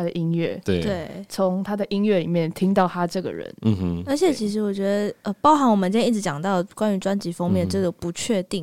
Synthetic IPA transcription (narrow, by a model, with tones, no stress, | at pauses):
a˥d̪ə˨ʔi˥nɥɛ̰˥˩t̪e˥˩t̪we˥˩ɪt͡sʰʊ˧˦ŋt̪ʰa˥d̪ə˨ʔi˥nɥɛ˥˩li˨˩mjɛ˥˩nt̪ʰi˥ŋt̪ɑ˥˩ʊt̪ʰa˦˥ʈ͡ʂɤ˥˩ɡə̰˩ɻə̰˧˦nə˞˧˥t͡ɕʰjɛ˨˩t͡ɕʰi˧˥ʂ̬ɻ̩˧˥wɔ˨˩t͡ɕɥɛ˧˥d̪ə˧ə˧pɑ˥ʊxa˧˥nwɔ˨˩mə̃˨˦t͡ɕi˥˩ɻ̩˧˥t͡ɕɑ˨˩ŋt̪ɑ˥˩ʊ˩kwa˥ny˧˥ʈ͡ʂwa˥nt͡ɕi˧˥fɑ˥ŋmjɛ˥˩nʈ͡ʂɤ˥˩ɡə˨˩pu˧˥t͡ɕʰɥɛ˥˧t̪i˥˩ŋ